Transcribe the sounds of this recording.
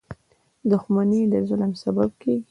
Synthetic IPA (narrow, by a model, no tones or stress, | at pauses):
d̪ʊxmaned̪əzʊləmsabab̚kʰeɡi